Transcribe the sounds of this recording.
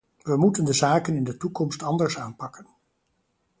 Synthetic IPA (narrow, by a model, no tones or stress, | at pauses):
ʋəmutəndəzaːkənɪndətukɔmstɑndəɹsaːnpɑkən